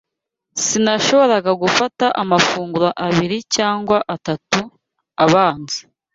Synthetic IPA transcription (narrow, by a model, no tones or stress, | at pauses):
sinaʃo̞βo̞ɾaɡaɡufataʔamafuːŋɡuɾaʔaβiɾicaːŋɡwaʔatatu | aβaːnzi̥